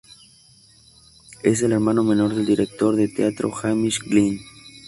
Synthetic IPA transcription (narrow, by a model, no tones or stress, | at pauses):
e̞s̬e̞leɾmano̞mẽ̞no̞ɾðe̞ld̪iɾek̚t̪o̞ɾðet̪eat̪ɾo̰xamiʃɡlin